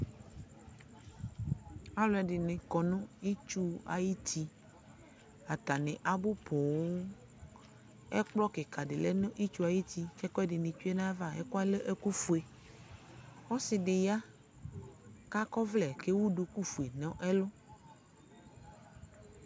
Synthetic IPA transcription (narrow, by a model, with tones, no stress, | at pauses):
a˦lɔ˦ɛ˨ɖɪ˨nɪ̃˨kɔ˨nõ˦i˦t͡ʃu˦a̰˨ji˦t̪i˦ | a˨t̪a˨nɪ̃˨ʔa˨bʊ˦pʰɔ˨wo˦ | ɛ˦k͡plɔ˦ke˨ka˨ɖɪ˨le˦nʊ̃˦ʔi˦t͡ʃu˦a˨ji˦t̪i˦kɛ˦kɔ˦ɛ˦dɪ˨nɪ̃˨t͡ʃu˦e˦nã˦va˦ḛ˦kɔ˦a˦le˦ʔe˦ku˦fu˨e˨ | wɔ˦sɪ˨dɪ˨ja˦ | ka˦kɔ˦vlɛ˨ke˦wu˦ɖo˨ku˦fu˨e˨nɔ̃˨˦ʔe˦lo˦